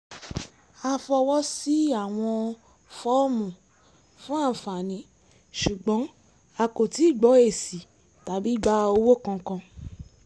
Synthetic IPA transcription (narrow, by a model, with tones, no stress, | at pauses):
a˧fɔ˧wɔ˦si˦a˦˨w̃ɔ̃˧ | fɔ˦mũ˨ | fũ˦a˦˨fa˨nĩ˨˦ | ʃu˨ɡ͡bɔ̃˨˦ | a˧ko˨ti˨˦˨ɡ͡bɔ˨˦e˦˨si˨ | ta˨bi˨˦ɡ͡ba˦˧o˧wo˦˨kã˧kã˧